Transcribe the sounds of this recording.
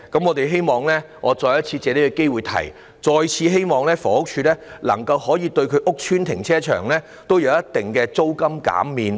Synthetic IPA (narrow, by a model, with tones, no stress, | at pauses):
kɐ˨˥mŋɔː˨˧t̪e˨jɦe˥jmɔː˨ŋlɛː˥ | ŋɔː˨˧t͡sɔː˧jɐ˥t̚t͡sʰiː˧t͡sɛː˨˧le˨˥kɛ˧ke˥jwuː˨jt̪ʰɐ̰˨˩j | t͡ʃɔː˧jt͡sʰiː˧ɦe˥jmɔː˨˧ŋlɛː˥fɔː˨˩˦ʊ˥k̚t͡ʃʰyː˧lɛː˥lɐ̰˨˩ŋkɐ˧whɔː˨˥jiː˨˧t̪ɵ˧ɥkʰɵ˨˧ɥʔʊ˥k̚t͡ʃʰyː˥nt̪ʰɪ˨˩ŋt͡sʰɛː˥t͡ʃʰœ̰ː˨˩ŋlɛː˥ | t̪o˥wjɐ˨˧wjɐ˥t̪ːɪ˨ŋkɛː˧t͡so˥wkɐ˥mka̰ː˨˥mːiː˨˧n